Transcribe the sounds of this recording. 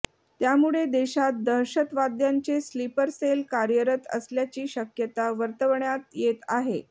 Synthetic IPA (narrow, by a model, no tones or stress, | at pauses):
t̪jamuɭed̪eɕat̪̚d̪əɾɕət̪ʋad̪jaɲt͡seslipəɾselkaɾjəɾət̪ə̰sljat͡ɕiːɕəkjət̪aʋəɾt̪əʋɳjat̪jet̪aɦe